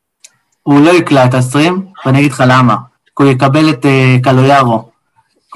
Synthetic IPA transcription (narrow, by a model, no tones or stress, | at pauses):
hulo̞iklaet̪asʁimvenaɡid̪χalama | kujekabe̞let̪ekalojaʁo